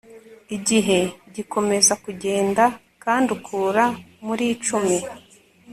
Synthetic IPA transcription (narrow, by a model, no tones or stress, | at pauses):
iɟiɦe̞ɟiko̞me̞zakuɟe̞ːnda | kaːndukʰuːɾamuɾiːt͡ʃumi